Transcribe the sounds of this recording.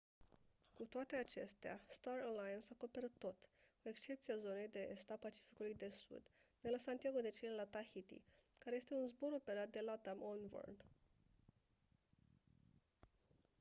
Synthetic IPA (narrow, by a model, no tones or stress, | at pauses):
kut̪oat̪e̞at͡ʃe̞st̪ea̰st̪arəlajənsako̞pe̞ɾət̪ːo̞t̪koe̞kst͡ʃe̞p̚t̪siazo̞ne̞jd̪e̞est̪apat͡ʃi̥fi̥kulujd̪e̞sṵd̪d̪e̞lasant̪jaɡod̪e̞t͡ʃelelat̪ahit̪ḭkaɾeje̞st̪e̞unzbo̞ɾo̞pe̞ɾat̪̚d̪e̞lat̪amonvo̰rn